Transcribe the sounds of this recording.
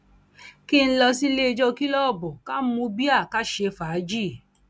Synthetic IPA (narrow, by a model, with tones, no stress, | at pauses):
ki˦˧ñ̩˦lɔ˧si˦le˦e˧d͡ʒɔ˧ki˦lɔ˦˨bɔ˨ka˦mũ˧˦bi˦a˦˨ka˦ʃe˧fa˨˦d͡ʒi˦˨